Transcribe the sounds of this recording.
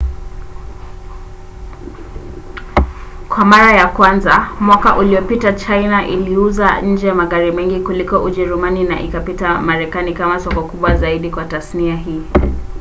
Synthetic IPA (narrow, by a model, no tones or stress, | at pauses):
kwamaɾajakwanzamwakaʔulijɔpitat͡ʃajnaʔḭliuzaɲ̩d͡ʒɛjamaɠaɾimɛŋɡikulikɔʔuʄɛɾumanina̰ʔikapitamaɾɛkanikamasɔkɔkuɓwazaiɗikwatasniaɦiː